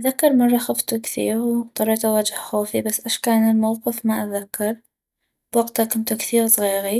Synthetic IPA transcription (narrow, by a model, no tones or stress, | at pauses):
ʔaðakːɑɾˤmɑrˤːɑxaft̪ukθḭːɾwt̪ˤɑɾˤɑʕt̪awaːd͡ʒahxoːfibasːʔaʃkaːnɪlmawqɨfmaʔaðakːɑɾˤ | b̥waɡt̪akʊnt̪ukθiːɾsˤɣiːɣi